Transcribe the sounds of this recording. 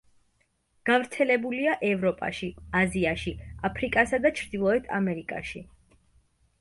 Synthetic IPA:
ɡ̥avɾt̪sʰɛlɛbuliaʔɛvɾɔpʼa̰ʃiaziaʃiapʰɾikʼasad̪at͡ʃʰɾd̪ilˠɔɛt̪ʰa̰mɛɾikʼa̰ʃi

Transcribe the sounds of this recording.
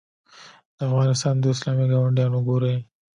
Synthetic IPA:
d̪̥əafɣɑnɪst̪ɑnd̪əɪslɑmiɡawaɳɖjɑnʊɡoɾaj

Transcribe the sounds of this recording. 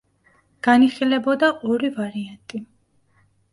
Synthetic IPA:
ɡ̥aniχilɛbɔd̪aʔɔɾivaɾiant̪ʼi

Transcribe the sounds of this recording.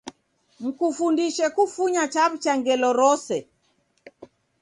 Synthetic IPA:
m̩kufundiʃɛkufuɲat͡ʃaβut͡ʃaŋɡɛlɔɾɔsɛ

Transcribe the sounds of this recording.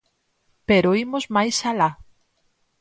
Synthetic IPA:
peɾoimozmajsala

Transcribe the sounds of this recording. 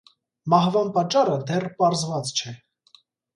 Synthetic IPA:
mɑhvɑnpɑt͡ʃːɑɾəd̪ɛrpɑɾzvɑt͡st͡ʃʰɛ

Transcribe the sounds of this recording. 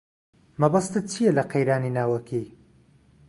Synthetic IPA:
mɐbɐst̪ɨt͡ʃʰijɐlɐqejɾaːninaːwɐkʰi

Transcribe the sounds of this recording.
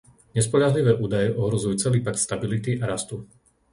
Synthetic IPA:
ɲɛspɔʎaɦliʋɛːʔuːd̪ajɛʔɔɦɾɔzujut͡sɛliːpakt̪st̪abilit̪iʔaɾast̪u

